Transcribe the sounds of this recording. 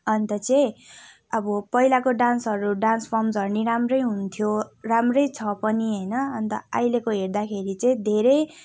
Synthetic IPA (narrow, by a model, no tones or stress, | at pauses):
ʌnt̪ʌt͡sʌj̃ | ʌbʌpʌilakoɖansɦʌɾuɖanspʰʌmsʌrniɾamrʌjɦunt̪ʰjoramrʌjt͡sʰʌpʌniɦʌjnʌʌnt̪ʌajlekoɦeɾd̪akʰeɾit͡sʌĩd̪ʱeɾʌj